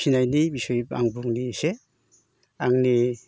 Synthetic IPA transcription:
inajnibisɔjba̰ŋbuŋnise | aŋni

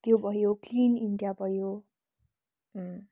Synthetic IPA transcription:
t̪jobʱʌjoklininɖjabʱʌjo

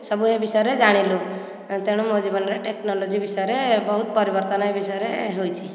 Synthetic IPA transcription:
sɔbuɦebisɔjɾed͡ʒaɽ̃ilu | t̪eɽ̃umod͡ʒibɔnɾeʈeknɔlod͡ʒibisɔjɾebɔɦut̪̚pɔɾibɔɾt̪ɔnɔebisɔjɾeɦojt͡ʃʰi

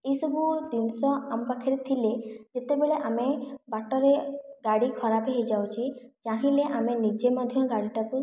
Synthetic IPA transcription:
eisɔbud̪insɔamɔpakʰiɾet̪ʰiled͡ʒet̪ebeɭeʔamebaʈɔɾeɡaɽikʰɔɾapeɦejd͡ʒawt͡ʃʰid͡ʒaɦĩleʔamenid͡ʒemɔd̪ʱjɔɡaɽiʈaku

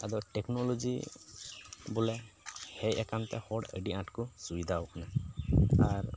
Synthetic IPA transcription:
adɔtɛknɔlɔzḭ | bʊlɛhejɛ̰kantɛ̰hɔɖə̰ɖiãʈkʊsubid̪ʱaɔkʰna | aɹ

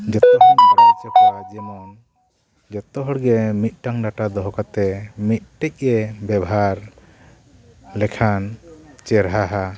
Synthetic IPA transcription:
d͡ʒɔt̪ɔt̪ɔnɔɾit͡ʃɔkɔɾad͡ʒɛmɔn | d͡ʒɔt̪ɔɦɔɽɡɛmit̪̚ˀʈaŋɖaʈad̪ɔɦɔkat̪ɛmit̪̚ʈɛc̚ˀɛbjɛbɔɦaɾ | lɛkʰant͡ʃɛɾɦaɦa

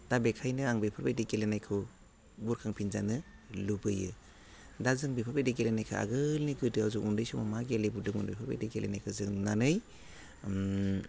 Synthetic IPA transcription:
d̥abekʰajnɯaŋbejpʰɯɾbedikelenajkʰɯ | buɾkʰaŋpʰinzanɯlubɯjɯ | dazɯŋbipʰabedikelenajkʰɯ̰a̰ɡɯlniɡɯdɯawzukundɯjsumamaɡelibudɯmunbijpʰabḛdikelenajkʰɯzɯŋnanɯj

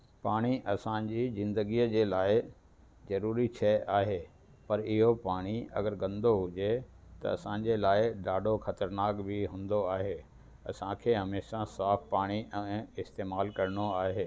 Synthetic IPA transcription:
paːɽ̃iʔɐsãd͡ʑizɪ̃nd̪əɡijəd͡ʑeːlaːɪ | zɐɾuːɾit͡ɕʰɛʔaːɦeː | pɐɾɪɦopaːɽ̃iɐ̰ɡəɾɡɐ̃nd̪oɦʊd͡ʑe | t̪ɐ̰ɐ̰sãːɲ̆d͡ʑeːlaːɪɖaːɖoxɐt̪əɾnaːkbɪɦʊ̃ːnd̪oaːɦe | ɐsãkʰeːɦɐmeːʃasaːfpaːɽ̃iʔɛ̃ːɪst̪eːmaːlkɐɾɽ̃oaːɦeː

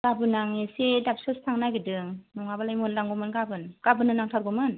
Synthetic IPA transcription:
ɡabɯnaŋesedap̚sɯstʰaŋnaɡidɯŋnɔŋabalajmonlaŋɡɔmɯnɡabɯnɡ̥abɯnːɯnaŋtʰaɾɡɔmɯn

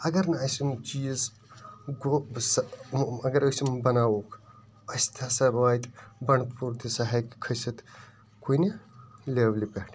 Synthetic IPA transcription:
ɐɡɐɾnɐɐsimt͡ʃiːz | ɡosɐɡɐɾɐsimbɐnaːwoːk | ɐsʲt̪ʰasɐbaːjt̪bɐɳ̃puɾt̪ʰisaɦajki̥kʰɐsɐt̪ | koineleʋlipʲeɦʈʰ

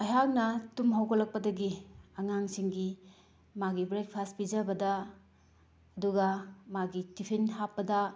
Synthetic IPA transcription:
ɐjɦak̚nɐtumɦawkɐlɐk̚pɐdɐɡiɐŋaŋsiŋɡi | maɡibɾajk̚pʰaspizɐbɐdɐ | ɐduɡɐmaɡitipʰinɦapːɐdɐ

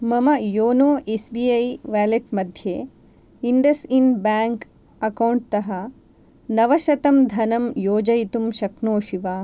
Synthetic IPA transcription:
mɐmɐjoːnoːʔesbiːɐjʋaːleʈ̚mɐd̪ʱjeː | inɖ̪ɐsinbaːŋk | ɐkɐwɳʈ̚t̪ɐɦɐ | nɐʋɐʃɐt̪ɐmd̪ʱɐnɐmjoːd͡ʒɐjit̪umʃɐknoːʃiʋaː

